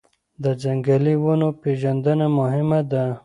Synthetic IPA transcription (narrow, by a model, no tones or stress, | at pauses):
d̪əd͡ʒaŋɡaliwunopeʒand̪ənamʊɦɪmad̪a